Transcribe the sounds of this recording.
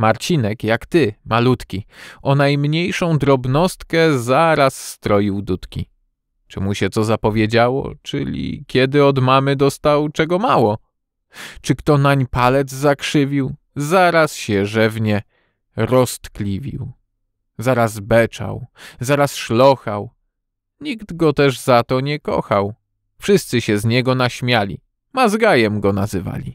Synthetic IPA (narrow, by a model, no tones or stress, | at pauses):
maɾt͡ɕinɛkjakt̪ɘmalut̪kʲiɔnajmɲejʂɔ̃w̃d̪ɾɔbnɔst̪kɛzaɾasːt̪ɾɔjiwd̪ut̪kʲi | t͡ʂɨmuɕɛt̪ɔzapɔvʲjed͡ʑawɔ̰t͡ʂɘ̰lʲḭkʲɛd̪ɘɔd̪mamɘd̪ɔst̪awt͡ʂɛɡɔmawɔ | t͡ʂɘkt̪ɔnaɲpalɛd̪zzakʂɘvʲiw | zaɾasɕɛʐɛvɲɛ | ɾɔst̪klʲivʲḭw | zaɾazbɛt͡ʂa̰wzaɾasʂlɔxaw | ɲiɡd̪ɡɔt̪ɛʐzat̪ɔɲɛkɔ̰xaw | fʂɘst̪sɘɕɛzɲɛɡɔnaɕmʲjalʲḭ | mazɡajɛmɡɔnazɘva̰lʲi